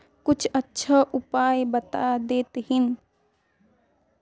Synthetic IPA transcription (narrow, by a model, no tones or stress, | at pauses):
kʊt͡ʃʰətːʃʰəʔʊpaːjbət̪ad̪eːt̪ɦɪn